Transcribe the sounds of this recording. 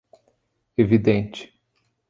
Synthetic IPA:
evid̪ẽnt͡ʃɪ̥

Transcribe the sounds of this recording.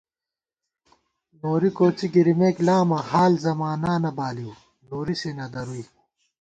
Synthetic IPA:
noːɾikoːt͡siɡiɾimeːklaːmɐhaːlzɐmaːnaːnɐbaːliw | noːɾiseːnɐd̪ɐɾui

